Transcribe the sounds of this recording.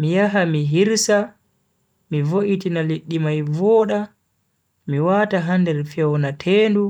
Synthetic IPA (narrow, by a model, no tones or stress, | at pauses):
mijaɦamiɦiɾsa | mivoʔitinaliɗːimajvɔːɗa | miwaːtaɦandɛɾfɛwnatʰɛːndu